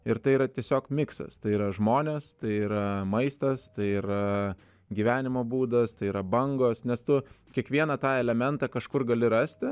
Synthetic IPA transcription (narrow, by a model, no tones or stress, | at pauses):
ɪɾt̪ɐɪiɾɐt̪ʲiɛsʲoːkmʲɪksɐ̰st̪ɐɪiːɾɐʒmoːnʲeːst̪ɐɪiːɾɐmɐɪst̪ɐst̪ɐɪiːɾɐ | ɡʲiːʋʲæːnʲɪmoːbuːd̪ɐst̪ɐɪiːɾɐbɐŋɡoːsnʲɛst̪ʊkʲiɛkʋʲiɛnɐt̪ɑːɛlʲɛmʲɛnt̪ɑːkɐʃkʊrɡɐlʲɪɾɐsʲt̪ʲɪ